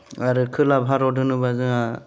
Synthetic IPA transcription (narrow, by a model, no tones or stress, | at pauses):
aɾɯkʰɯlabʱaɾɔdʱɯnɯbazɯa